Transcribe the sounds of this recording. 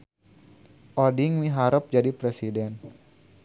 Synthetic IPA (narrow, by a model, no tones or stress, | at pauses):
ʔɔdiŋwiɦaɾəp̚d͡ʒadipɾɛsidɛn